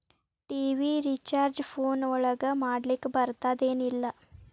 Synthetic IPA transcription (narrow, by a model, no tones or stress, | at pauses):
ʈiːʋiɾit͡ʃaːɾd͡ʒfʰoːnɔɭɐɡɐmaːɽlikbɐɾt̪ad̪eːnilːɐ